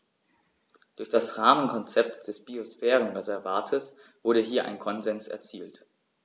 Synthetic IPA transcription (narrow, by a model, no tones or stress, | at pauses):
d̥ʊɐçd̥asʁaːmənkʰɔnt͡sɛp̚td̥ɛsb̥iosfɛːʁənʁɛzɛɐvaɐtʰəs | v̥ʊɐɾəɦiːɐʔa̰ɪnkʰɔnzɛnsɛ̰ɐt͡siːlt